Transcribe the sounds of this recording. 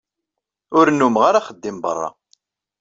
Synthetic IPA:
ʊɾnːumʁaɾaχəd̪ːɪmbə̰rˤːɑ̰

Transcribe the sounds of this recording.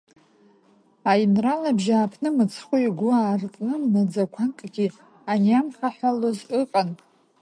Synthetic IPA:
ajnralabʒaːpʰnɨmɨt͡sʰχʷuiɡʷʊaːrt͡sʼnɨmnad͡zakʷʰankʼɡʲi | anjamχaħʷalozɨqʼan

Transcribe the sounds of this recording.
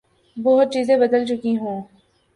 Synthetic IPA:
bɔɦʊt̪̚t͡ʃiːzẽbəd̪əlt͡ʃʊkiɦũː

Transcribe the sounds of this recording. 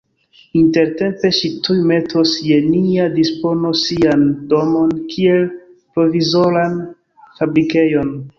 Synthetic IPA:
inte̞ɾte̞mpe̞ʃitujme̞tʰosje̞niadispo̞no̞siando̞mo̞nkʰie̞l | pɾo̞vizo̞ɾan | fabɾike̞jo̞n

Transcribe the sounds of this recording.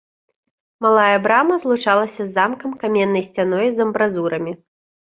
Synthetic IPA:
malˠajɐbɾamɐzlˠut͡ʂalˠɐsʲɐzːamkɐmkamʲɛnːɐjsʲt͡sʲan̪ɔjzɐmbɾazuɾɐmʲi

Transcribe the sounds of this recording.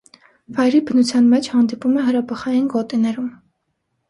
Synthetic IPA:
vɑjɾibənut͡sʰjɑnmɛt͡ʃʰhɑnd̪ipumɛɦəɾɑpʰəχɑjinɡɔt̪inɛɾum

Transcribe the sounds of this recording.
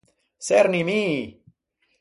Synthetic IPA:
seɾnimi

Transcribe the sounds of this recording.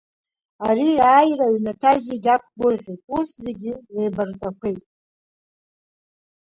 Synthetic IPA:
ariaːjraɥnatʰaziɡʲakʷʰɡʷʊrʁʲitʼuszeɡʲɪejbarkʼakʷʰejtʼ

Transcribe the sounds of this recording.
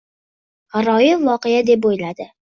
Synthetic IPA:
haɾɒjɪvːɒqejad̪e̞p̬ojlad̪ɪ

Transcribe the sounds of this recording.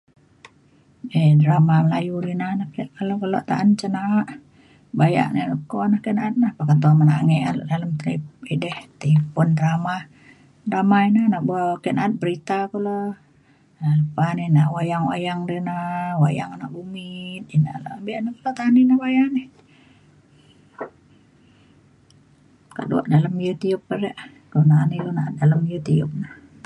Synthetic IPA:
edəɾamaməlajudinahnahkiʔkalokəlo̰ʔt̪aʔant͡ʃənaʔ | baja̰ʔnehləkonahkɛʔnaat̪̚nahpakat̪uamanaʔŋɛʔalo̰ʔdaləmt̪əiidɛht̪iipʊndɾama | dramainəhnaʔbuakɛʔnaːt̪̚bəɾit̪akolo | aləpaninaʔwajaŋwa̰jaŋdənəwa̰ja̰ŋnaʔbumit̪̚ina̰ʔlʔambiʔnəkolat̪aninəwajaneh | ka̰ʔdṵa̰ʔdaləmijət̪iʊp̚ːəreʔ | kənaanilonaʔt̪̚daləmijət̪iʊ̰p̚nəh

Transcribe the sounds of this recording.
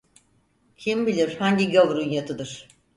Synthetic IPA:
cʰimbilʲiɾ̥haɲɟiɟovɾunjat̪ʰɯd̪ɯɾ̥

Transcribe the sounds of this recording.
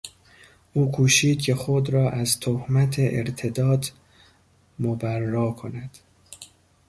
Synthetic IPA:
ʔuːkʰuːʃiːd̪̥̚cʰe̞xod̪ɾɒːʔæzt̪ʰohmæt̪ʰeʔḛɾt̪ʰe̞d̪ɒːd̪ | mobærːɒːkʰonæd̪̥

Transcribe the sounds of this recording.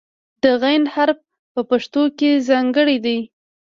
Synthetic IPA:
d̪̥əɣajnhaɾb̚ | pəpaʂt̪okezɑŋɡəɽid̪aj

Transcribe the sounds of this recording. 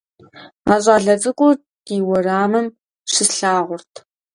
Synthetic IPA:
aːɕʼaːɮɐt͡sʼɨkʷʼʊ | tiːwɔraːmɨm | ɕɪsɬaːʁʷʊrtʰ

